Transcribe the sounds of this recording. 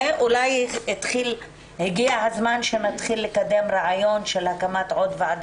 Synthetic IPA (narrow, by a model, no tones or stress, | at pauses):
ʔulajhit̪χil | heɡiahazmanʃenat̪χilːekad̪e̞mɾeʕajo̞nʃelhakamat̪ʕo̞d̪veʕad̪